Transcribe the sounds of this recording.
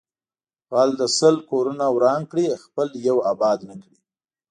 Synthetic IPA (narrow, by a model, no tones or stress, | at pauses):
ɣɑld̪əsəlkoɾunawɾɑŋkɽixpəljawabɑd̪nakɽi